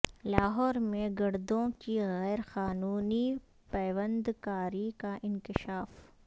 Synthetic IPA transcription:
laːɦɔːɾmẽɡɐɽd̪õkiɣɛːɾxaːnuːni | pɛːʋə̃nd̪kaːɾikaʔɪ̃nkɪʃaːf

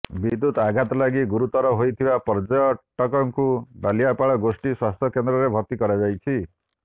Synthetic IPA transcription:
bid̪ːut̪aɡʱat̪ɔlaɡiɡuɾut̪ɔɾɔɦojt̪ʰibapɔɾd͡ʒɔjɔʈɔkɔŋkubalijapaɭɔɡosʈiswast̪ʰjɔkend̪ɾɔɾebʱɔɾt̪ikɔɾad͡ʒajt͡ʃʰi

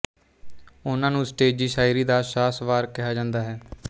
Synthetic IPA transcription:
ʊnãːnũːsʈeːd͡ʒiːʃaːiɾiːd̪aːʃaːsʋaːɾkɪɦaːd͡ʒãːnd̪aːɦɛː

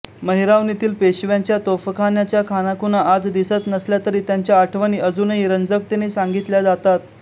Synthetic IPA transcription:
məɦiɾaʋnit̪iːlpeɕʋjaɲt͡ɕjat̪ofəkʰanjat͡ɕjakʰanakunaʔːd͡zd̪isət̪nəsljat̪əɾiːt̪jaɲt͡ɕjaːʈʰʋəñiːəd͡zuːnəɦiɾənd͡zək̚t̪enesaŋɡit̪ljad͡zat̪at̪̚

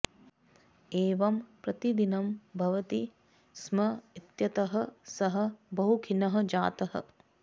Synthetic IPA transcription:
eːʋɐmpɾɐt̪id̪inɐmbʱɐʋɐt̪i | smɐit̪jɐt̪ɐɦɐ̆sɐɦɐ̆bɐɦukʰinɐɦɐ̆d͡ʒaːt̪ɐɦɐ̰

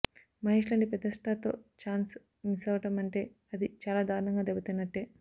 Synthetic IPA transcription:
mɐɦeːʂlɐɳɖipɛd̪ːɐsʈaːt̪o̞̰ːt͡ʃaːns | misɐʋɐʈɐmɐɳʈe̞ː | ɐd̪it͡ʃaːlaːd̪aːɾuɳɐŋɡaːd̪ebɐt̪ɐnːɐʈːeː

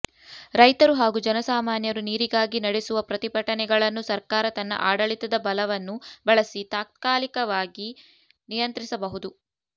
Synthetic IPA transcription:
ɾɐjt̪ɐɾuɦaːɡud͡ʒɐnɐsaːmaːnjɐɾuniːɾiɡaːɡinɐɽɛsuʋɐpɾɐt̪ipɐʈɐnɛɡɐɭɐnːusɐɾkaːɾɐt̪ɐnːɐ̰ʔaːɽɐɭit̪ɐd̪ɐbɐlɐʋɐnːubɐɭɐsit̪aːk̚t̪kaːlikɐʋaːɡi | nijɐnt̪ɾisɐbɐɦud̪u

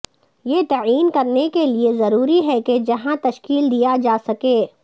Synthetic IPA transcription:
jet̪aːiːnkɐɾnekeliezɐɾuːɾiɦɛked͡ʒɐɦãt̪ɐʃkiːld̪ijad͡ʒaːsɐkeː

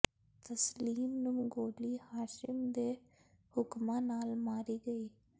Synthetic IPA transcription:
t̪əsliːmnʊ̃ːɡoːliːhaːʃɪmd̪eː | hʊkmãːnaːlmaːɾiːɡəiː

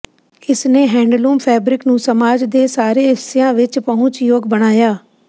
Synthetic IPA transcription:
ɪsneːɦɛ̃ːɳɖluːmpʰɛːbɾɪknũːsəmaːd͡ʒd̪eːsaːɾeːɦɪsɪjãːʋɪt͡ʃpəɦʊ̃t͡ʃjoːɡbəɽ̃aːjaː

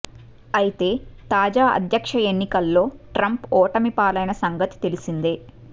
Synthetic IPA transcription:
ɐjit̪e̞ːt̪aːd͡ʒaːʔɐ̰d̪ʱjɐkʂɐenːikɐlːo̞ːʈɾɐmpɔːʈɐmipaːlɐjnɐsɐŋɡɐt̪i̥t̪e̞lisind̪eː

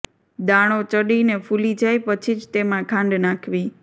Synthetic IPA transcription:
d̪ãɽ̃ot͡ʃəɽinefulid͡ʒajpət͡ʃʰid͡ʒt̪emãkʰãɳɖnãkʰʋi

